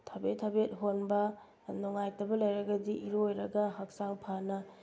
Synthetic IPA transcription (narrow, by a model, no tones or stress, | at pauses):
tʰɐbetʰːɐbet̚ɦonbɐ | nuŋajtɐbɐlɐjɾɐɡɐdiʔiɾojɾɐɡɐɦɐk̚saŋpʰanɐ